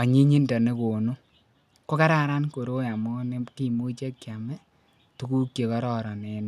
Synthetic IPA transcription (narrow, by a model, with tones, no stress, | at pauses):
a˨ɲi˦ɲi˦ndɔ˨ne˦ko˨no˦ | ko˦ka˦ɾa˦ɾa˦nko˨ɾo˦ja˨mɔ˦ne˦ki˦˨mo˦t͡ʃe˦kːja˨mɛ˦ | tu˦ku˦kje˨kɔ˦ɾɔ˦ɾɔ˨nɛ˨˦n˦